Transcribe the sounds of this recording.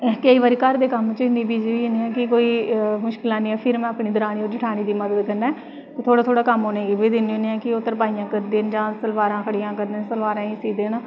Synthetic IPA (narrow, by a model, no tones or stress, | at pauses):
kəiːʋaːɾiːkəɾd̪eːkəmt͡ʃɪnĩːbiːd͡ʒiniːãːkɪkoːiːmʊʃkɪlãːnĩːɛːpʰɪɾmɛ̃ːpniːd̪ɾaːniːoːɾd͡ʒɪʈʰaːñiːd̪iːməd̪əd̪kəɾnaːɛː | t̪ʰoːɽaːt̪ʰoːɽaːkəmɦoːneːɡeːʋeːd̪ɪnioniːãːkɪʊt̪ːəɾpaːijãːkəɾd̪eːnd͡ʒãːsəlʋaːɾãːkʰəɽijãːkəɾd̪eːnsəlʋaːɾãːĩːsiːd̪eːnaː